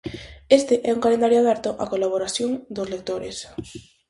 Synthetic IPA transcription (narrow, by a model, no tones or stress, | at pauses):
est̪eʔɛuŋkalend̪aɾjoaðaɾt̪oʔakolaβ̞oɾaθjoŋd̪ozlek̚t̪oɾḛs